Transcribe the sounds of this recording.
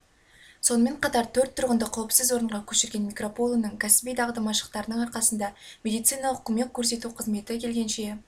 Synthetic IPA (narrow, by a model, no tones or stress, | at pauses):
so̞nəme̞ɴqɑt̪ɑɾt̪ʰɵɾt̪ʰːʊɾʁənd̪əqʰɑwəpsɪzwo̞ɾəɴʁɑkʲʰɵʃɪɾɡʲe̞nmʲikro̞polˠənəɴkʲʰæsɪbijd̪ʰɑʁd̪əmɑʃə̥q̚t̪ɑɾənəɴɑɾqɑsənd̪ɑmʲe̞d̪ijt̪sɨjnɑʊqəme̞kʲkʲʰːɵɾs̬e̞t̪uqʰəzme̞t̪ɪkʲʰe̞lɡʲe̞nʃe̞